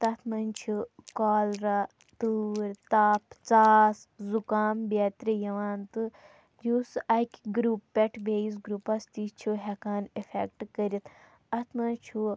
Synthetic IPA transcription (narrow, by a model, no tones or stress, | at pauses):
t̪ɐt̪ʰmɐnʲt͡ʃʰikaːlɾa | t̪uːɾʲt̪aːpʰt͡saːszukaːmbʲeːt̪ʲɾijɐʋaːnt̪ɨ | juːsɐkʲɡɾuːpːɛʈʰbʲeːjis̬ɡɾuːpɐst̪it͡ʃʰuɦɐkaːnefekʈkəɾʲit̪ | ɐt̪ʰmɐt͡ʃʰu